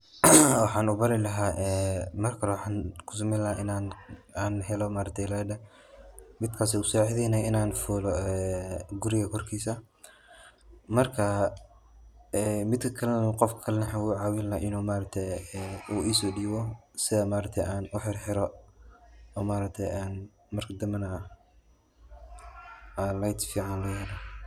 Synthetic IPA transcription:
wɑħɑːnʊbɐɾɪlɐɦaːʔɛːmɐrkʰɐlwɑħɑːnkʰʊ̥s̬ʊmɛːlɐaʔɪnaːnaːnɦɛlɔmaːɾɐt̪ʰɛjladɐ | mɪd̪̚kʰaːs̬ɛusɔːʕɪðɛjnɛjɪnaːnfuːlɔɛːɡʊɾɪɣɐkʰɔrkʰiːsɐ | mɐrkʰɐ | ɛmɪd̪kʰɐkʰɐlɐnɐqɔfkkʰɐlɛnɐħawʊːʕɑːwɪlːɐʔɪnuːmaːɾɐt̪ʰɛjuːʔiːsɔːɖiːβɔsɪðɐmaːɾɐt̪ʰɛjaːnʔʊħɪrħɪɾɔ | ɔːmaːɾɐk̚t̪ʰɛjaːn | mɐrkʰɐd̪ɐmɐnɐ | aːlɐjd̪fiːʕɑnlɐjɛːla

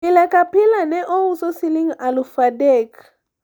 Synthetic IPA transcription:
ilɛkapilanɛʔɔusɔsiliŋalufadɛk

